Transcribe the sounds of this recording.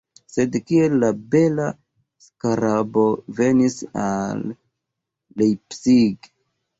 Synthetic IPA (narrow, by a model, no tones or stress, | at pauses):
se̞dkielːabe̞la | skaɾabo̞ve̞nisa̰lː | ejpsiɡ